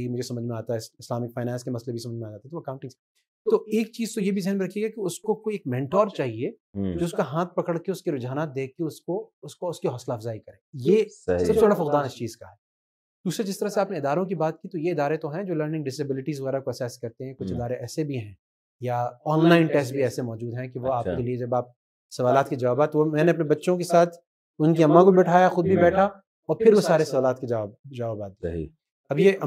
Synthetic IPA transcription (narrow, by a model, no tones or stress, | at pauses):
imʊd͡ʒʱesɐməd͡ʒmẽaːt̪aɦɛsɪslaːmɪk̚faːɪnɛ̃ːnskemɐslebʱisɐməd͡ʒmead͡ʒaːt̪aɦɛt̪oɐkãʊ̃ɳʈɪ̃ŋs | t̪oeːk̚t͡ʃiːzt̪ojebʱizɪɦɛnmẽɾɐkʰijeːɡakiʊskokoieːk̚mɛ̃ɳʈɔːɾt͡ʃaːɦie | d͡ʒoːʊskaɦãːt̪̚pɐkəɽkeʊskiɾʊd͡ʒaːnaːt̪̚d̪eːkkeʊskoʊskoʊskiɦɔːslaːfzaːikɐɾẽːjeːsɐbsebɐɽafɐkd̪aːnɪst͡ʃiːzkaɦɛː | d̪̥uːsɾad͡ʒɪst̪ɐɾaseaːpneɪd̪aːɾõk̬ibaːt̪̚kit̪ojeɪd̪aːɾet̪oɦɛ̃d͡ʒoːləɾnɪ̃ŋɡɖɪsɐbɪlɪʈizʋɐɣɛːɾakoɐsɛskɐɾt̪eɦɛ̃kʊt͡ʃʰɪd̪aːɾeʔɛːsebʱiɦɛ̃ː | jaɔːnlaːɪnʈɛːsbʱiɛːsemɔːd͡ʒuːd̪ɦɛ̃kiʋoaːkkelied͡ʒɐbaːp̚ | sɐʋaːlaːt̪kid͡ʒɐʋaːbaːt̪ʋomɛ̃ːneɐpnebɐtːʃõk̬esaːt̪ʰ | ʊnk̬iɐmːãkobibɛːʈʰaːjaxʊd̪̚bʱibɛːʈʰa | ɔːɾpʰɪɾʋosaːɾesɐʋaːlaːt̪kid͡ʒɐaːbd͡ʒaːʋaːbaːt̪̚d̪̰ | ɐbjeʔ